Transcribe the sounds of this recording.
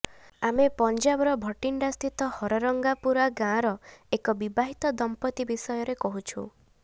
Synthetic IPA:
amepɔnd͡ʒabɔɾɔbʱɔʈiɳɖast̪ʰit̪ɔhɔɾɔɾɔŋɡapuɾaɡãɾɔekɔbibaɦit̪ɔd̪ɔmpɔt̪ibisɔjɔɾekɔɦut͡ʃʰṵ

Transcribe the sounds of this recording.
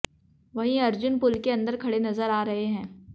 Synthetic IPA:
ʋɐɦĩɐɾd͡ʒʊnpʊlkeɐ̃nd̪əɾkʰɐɽenɐzəɾaːɾɐɦeɦɛ̃ː

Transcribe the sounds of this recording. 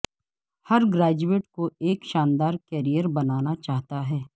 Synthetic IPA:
hɐɾɡɾaːd͡ʒueːʈkoeːkʃãːnd̪aːɾkɛːɾijəɾbɐnaːnat͡ʃaːɦt̪aɦɛː

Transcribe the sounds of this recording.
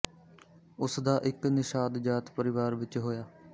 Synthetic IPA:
ʊsd̪aːʔɪknɪʃaːd̪d͡ʒaːt̪pəɾɪʋaːɾʋɪt͡ʃɦoːjaː

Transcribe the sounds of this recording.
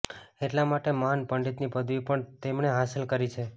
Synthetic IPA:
eʈlamaʈeməɦanpəɳɖit̪nipəd̪ʱʋipəɳt̪emneɦasəlkəɾit͡ʃʰe

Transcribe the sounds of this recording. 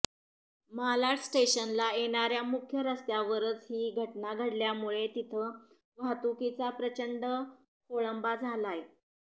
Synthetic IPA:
malaʈsʈeɕənlaeɽ̃aɾjamukʰjəɾəst̪jaʋəɾət͡sɦiːɡʱəʈnaɡʱəɽljamuɭet̪it̪ʰə | ʋat̪ukit͡sapɾət͡ɕəɳɖə | koɭəmbad͡zʱalaje

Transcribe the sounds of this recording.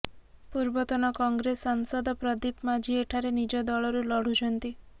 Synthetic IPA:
puɾbɔt̪ɔnɔkɔŋɡɾesaŋsɔd̪ɔpɾɔd̪ipmad͡ʒieʈʰaɾenid͡ʒɔd̪ɔɭɔɾulɔɽ̤ut͡ʃʰɔnt̪i

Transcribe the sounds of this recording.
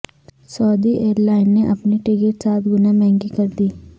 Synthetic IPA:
sɔːd̪iːʔeːɾlaːɪnːeʔəpniʈɪɡeʈsaːt̪ɡʊnãːmɛ̃ːŋɡiːkəɾd̪iː

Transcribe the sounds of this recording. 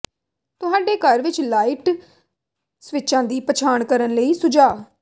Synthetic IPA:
t̪ʊɦaːɖeːkəɾʋɪt͡ʃlaːiːʈ | sʋɪt͡ʃãːd̪iːpət͡ʃʰaːɳkəɾənləiːsʊd͡ʒaː

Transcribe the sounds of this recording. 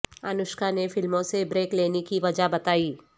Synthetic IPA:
ɐnʊʃkanefɪlmõsebɾeːkleːnekiʋɐd͡ʒabɐt̪aːiː

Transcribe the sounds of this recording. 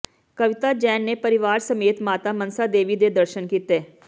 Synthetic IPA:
kəʋɪt̪aːd͡ʒɛːnːeːpəɾɪʋaːɾsəmeːt̪maːt̪aːmənsaːd̪eːʋiːd̪eːd̪əɾʃənkiːt̪eː

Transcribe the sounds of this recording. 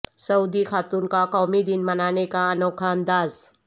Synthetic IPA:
səud̪ikʰaːt̪uːnkakɔːmid̪ɪnmənaːnekaənoːkʰaə̃nd̪aːz

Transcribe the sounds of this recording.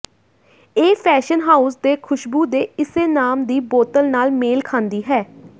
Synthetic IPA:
eːpʰɛːʃənɦaːʊsd̪eːkʰʊʃbuːd̪eːɪseːnaːmd̪iːboːt̪əlnaːlmeːlkʰãːnd̪iːɦɛː

